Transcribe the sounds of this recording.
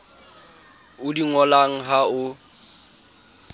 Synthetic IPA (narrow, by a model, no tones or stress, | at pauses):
ʊdiŋɔlaŋ̩ɦaʊ